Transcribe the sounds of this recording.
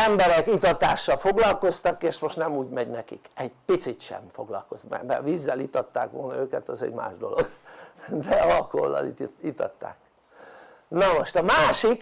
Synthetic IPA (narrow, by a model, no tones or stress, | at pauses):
ɛmbɛɾɛkit̪ɒt̪aːʃːɒlfo̞ɡlɒlko̞st̪ɒkeːʃmoʃt̪nɛmuːɟmɛɟnɛkikɛɟpit̪sit̪ʃɛ̰mfo̞ɡlɒlko̞zmɛ̰bɛʋizːɛlit̪ɒt̪ːa̰ːkʋo̞̰lnɒøːkɛt̪ɒzɛ̰ɟma̰ːʒd̪o̞̰lo̞ɡd̪ɛɒlkoo̰lːɒ̰lḭt̪it̪ɒt̪ːa̰ːk | nɒmo̞ʃt̪ɒmaːʃik